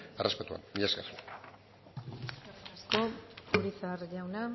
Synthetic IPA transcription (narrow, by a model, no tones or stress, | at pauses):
arespet̪ua̰nbiʎaskaso | sarasko̞uɾisaɾʝawna